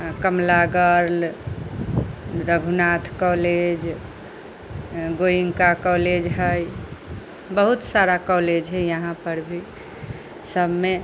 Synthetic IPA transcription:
kəmlaɡəɾl | ɾəɡʱunat̪ʰkɔled͡ʒ | ɡoiŋkakɔled͡ʒɦəj | bəɦut̪saɾakɔled͡ʒɦɛjəɦãpəɾbʱi | səbʱme

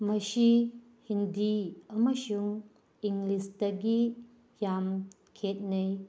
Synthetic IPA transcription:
mɐsi | hindiɐmɐsuŋ | iŋɡlistɐɡi | jam | kʰet̚nɐj

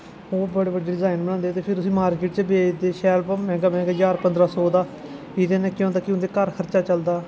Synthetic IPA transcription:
oːɾbəɽeːbəɖːeːɖɪzaːɪnbəɽ̃ãːnd̪eːt̪eːpʰɪɾʊsĩːmaːɾkeːʈ̚t͡ʃəbeːd͡ʒd̪eːʃɛːlpːmɛ̃ːɡaːmɛ̃ːɡaːd͡ʒaːɾpənd̪ɾaːsɔːd̪aː | iːd̪ẽːnẽːkjõːt̪akːjõːd̪eːkəɾkʰəɾt͡ʃaːt͡ʃəld̪aː

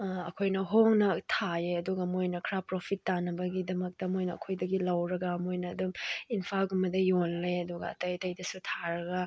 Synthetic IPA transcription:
ɐkʰojnɐɦoŋnɐtʰajeɐduɡɐmojnɐkʰɾapɾopʰitːanɐbɐɡidɐmɐk̚tɐmojnɐɐ̰kʰojdɐɡilɐwɾɐɡɐmojnɐːduminpʰalɡumɐdɐjonleɐduɡɐ̰ːtɐjɐtɐjdɐsutʰaɾɐɡɐ

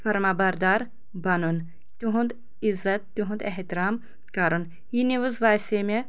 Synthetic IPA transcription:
fɐɾmaːbɐɾd̪aːɾ | bɐnun | t̪uɦũnd̪ | izɐt̪̚ːuɦũnd̪eɦt̪iɾaːm | kɐɾun | jiniʋuzʋaːseːme

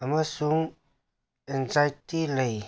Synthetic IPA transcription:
amasuŋ | ɛnzajtiləj

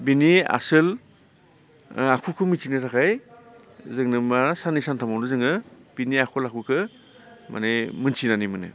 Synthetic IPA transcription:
binia̰sɯl | akʰukʰɯmit͡ʃʰinɯɾʰakʰaj | zɯŋnɯmasanisantʰamawnɯzɯŋɯb̥iniakʰulakʰukʰɯ | ma̰nemɯnsʰinanimɯnɯ̰

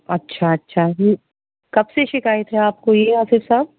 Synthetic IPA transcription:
ɐtːʃʰaɐtːʃʰaː | kɐbseʃɪkaːjət̪ɦɛaːp̚kojeaːsɪfsaːb̚

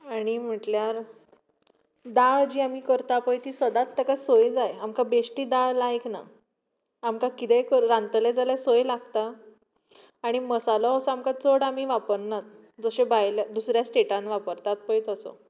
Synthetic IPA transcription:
aɽ̃im̤əʈljaɾ | d̪aɭd͡ʑiːamiːkəɾt̪apəjt̪iːsəd̪at̪ːəkasojd͡zajamkabeʂʈiːd̪aɭlajkna̰ː | mkakit̪ɛkəɾɾãnt̪əled͡zaljasojlaɡt̪a | ɽ̃iməsalɔɦosamkat͡soɽamiːʋapəɾnat̪̚ | d͡zoɕebajlad̪usɾjasʈeʈãnʋapəɾt̪at̪̚pəjt̪əsɔ̰

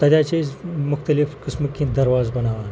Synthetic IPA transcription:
t̪ɐd̪jat͡ɕemuxt̪əlifkəsməkĩd̪əɾʋazbənaʋan

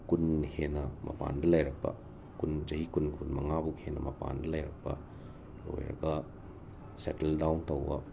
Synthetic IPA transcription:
kunhenɐmʔɐ̰pa̰ndɐlajɾɐk̚pɐ̰ | kund͡ʒɐhikunkunmɐŋabuk̚henɐmɐpa̰ndɐlajɾɐk̚pɐ̰ | lo̰jɾɐ̰ɡɐ | seteldawntɐwbɐ̰

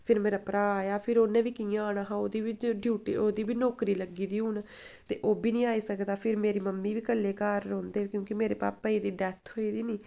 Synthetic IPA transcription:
pʰɪɾmeːɾaːpɾaːaːjaːpʰɪɾoːnẽːʋiːkijãːaːnaːɦãːoːd̪iːʋiɖʱjuːʈḭːoːd̪iːbiːnoːkɾiːləɡiːd̪iːɦuːn | t̪ḛːʔoːbiːnĩːaːiːsəkd̪aːpʰɪɾmeːɾiːməmːiːʋiːkəlːeːkaːɾːõːnd̪eːkjõːkimeːɾeːpa̰ːpːaːiːd̪iːɖɛːt̪ʰɦoːiːd̪iːniː

